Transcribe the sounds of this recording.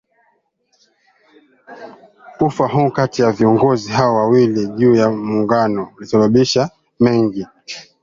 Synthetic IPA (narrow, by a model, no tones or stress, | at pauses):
kufaɦukatijaviɔŋɡɔziɦaɔwawiliʄuːjamuŋɡanɔulisaɓaɓiʃa | mɛŋɡi